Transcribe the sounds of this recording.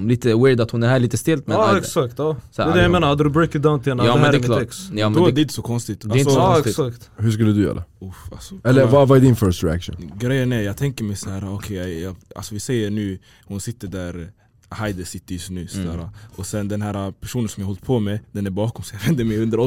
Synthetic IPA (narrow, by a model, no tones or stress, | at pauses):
mliːt̪əwɪɾd̪at̪hʊnæɾɦæːɭiːt̪əst̪ɪlt̪mɛɛksakt̪jɑsɛd̪ɛjameːnaɾhad̪əɾʊbɾɛkɪd̪aʊnt̪ʰɪɛnjɑːɛnd̪ɛklkjɑːmɛd̪d̪ɛɪnt̪əsɔkʰɔnst̪ɪt̪ːd̪ɛɪt̪sɔɔst̪ɪsakt̪hʉʂ̬kɵlːəd̪ɵjœ̰ːɾʔa̰ʊfa̰sɔɛlːəɾvavaɛɖɪnfœɾʂt̪ɾɪa̰kʂṵnnɡɾɛjːənɛɾjɑːɡ̚t̪ʰɛŋkəɾmɛjsɔæːɾaɔkʰɛjajɑa̰lsɔvɪsɛjːəɳʉ̟ː | hʊnsɪt̪ːəɖæɾ | hajd̪ɛsɪt̪ːəɾjsnʉ̟ːsɔd̪æːɾaʔɔsɛnd̪ɛnɦæːɾapʰæʂuːnənsɔmjɑːhɔlt̪̚pʰɔmɛd̪ɛnæɾbɑːkɔmsɔjavɛnd̪əmɛjɵnd̪əɾɔ